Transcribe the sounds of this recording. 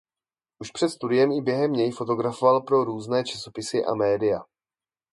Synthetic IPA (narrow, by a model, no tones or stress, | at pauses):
ʔuʃpr̝̥ɛt̪st̪udɪjɛmɪbjɛɦɛmɲɛjfo̞t̪o̞ɡɾafovalpɾo̞ɾuːznɛːt͡ʃḁso̞pɪsɪʔa̰mɛːdɪja